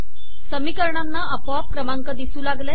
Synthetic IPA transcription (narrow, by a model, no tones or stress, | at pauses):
səmikəɾɳanːaʔəpʋap̚kɾəmaŋkəd̪isuːlaɡle